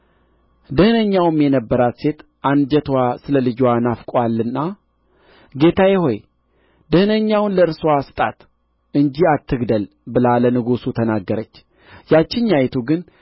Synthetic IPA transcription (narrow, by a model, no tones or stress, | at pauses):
d̪ɨhɨnəɲːawɨmjɛnəbːəɾat̪se̞t̪ | ʔand͡ʒət̪ʰwasɨləlɨd͡ʒwanafkʼʷalːɨnːa | ɡe̞t̪ʰajɛho̞j | d̪ɨhɨnəɲːawnləɨɾswasɨ̥t̪ʼa̰t̪ | ɨɲd͡ʒiat̪ːɨɡd̪əl | bɨlalənɨɡusut̪ʰənaɡːəɾət͡ʃː | jat͡ʃːɪɲːajt̪ʰuɡɨn